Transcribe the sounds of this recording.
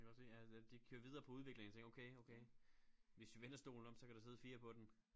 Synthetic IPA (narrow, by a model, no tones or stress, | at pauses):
ækʰɡɒ̥̽sijæd̥ikʰøːɐʋið̞ˠɐːpʰɒ̽uð̞ˠʋe̝ɡ̥leŋn̩ʰeŋɡɐoʊkʰeɪoʊkʰeɪʋe̝sd̥uʋenɐsd̥o̝̰ːln̩ɒ̽m̥sɒ̽kʰæd̥use̝ð̞ˠfiːɐpʰɒ̽d̥en